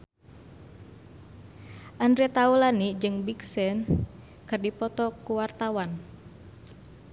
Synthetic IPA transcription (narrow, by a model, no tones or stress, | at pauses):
ʔandɾɛt̪aulanid͡ʒɨŋbiksɛn | kɨrdipɔt̪ɔkuwart̪awan